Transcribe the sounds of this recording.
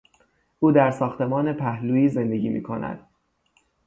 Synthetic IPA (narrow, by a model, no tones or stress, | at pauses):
ʔuːd̪æɾsɒːxt̪e̞mɒːne̞pʰæhluːiːze̞nd̪e̞ɟiːmḭːkʰo̞næ̰d̪̥